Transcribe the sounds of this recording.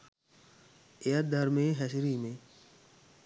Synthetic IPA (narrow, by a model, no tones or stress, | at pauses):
eəd̪ʱəɾmẽːɦɛsɾiːmẽː